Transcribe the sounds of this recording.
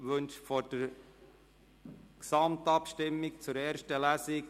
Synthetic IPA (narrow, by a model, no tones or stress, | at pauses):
ʋɵnʃfod̥əɾ | ksɑmtɑpʃtɪmːɪkt͡sʊɾeːɾʃtəlæsɪk